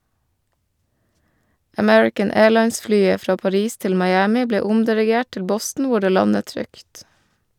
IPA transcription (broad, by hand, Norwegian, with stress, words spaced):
əˈmɛɹɪkən ˈeːɭɑɪnsˌflyːə ˈfɾɑː pɑˈɾiːs ˈtɪl mɑɪˈæːmɪ ˈbleː ˈʊmdɪɾɪˌɡeːʈ ˈtɪl ˈbɔstn̩ ˈʋʊ ˈɖeː ˈlɑnət ˈtɾʏkt